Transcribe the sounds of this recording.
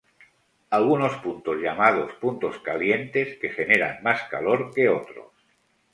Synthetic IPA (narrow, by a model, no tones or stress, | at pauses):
alɣuno̞spunt̪ozʎamað̞ospunt̪o̞skalje̞nt̪e̞ske̞xe̞ne̞ɾa̰nmaskaloɾke̞ot̪ɾo̰s